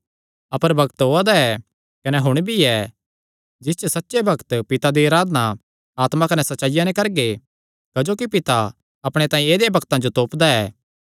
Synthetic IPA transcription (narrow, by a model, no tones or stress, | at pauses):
ɐpəɾbʱɐkt̪ɦoːad̪aɛ | kɐnɛɦʊɽ̃bʱiɛ | d͡ʒɪst͡ʃosɐtːʃebʱɐkt̪pɪt̪ad̪iaːɾaːd̪na | aːt̪mãkɐnɛsɐtːʃaːɪjãnẽkɐɾɡe | kɐd͡ʒoːkipɪt̪a | ɐpɽ̃et̪ãːẽeːd̪ebʱɐkt̪ãd͡ʒot̪oːpd̪aɛː